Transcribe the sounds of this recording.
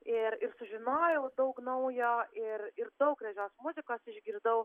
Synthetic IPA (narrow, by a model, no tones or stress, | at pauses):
ɪɾɪɾsʊʒʲɪnoːjɛʊd̪ɐʊknɐʊjoːɪrɪɾd̪ɐʊkɾʲɛʒʲoːsmʊzʲɪkoːsɪʒʲɡʲiɾd̪ɐʊ